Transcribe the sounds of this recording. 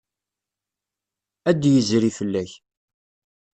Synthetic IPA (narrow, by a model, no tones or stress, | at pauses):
æd̪jəzɾifəlːæç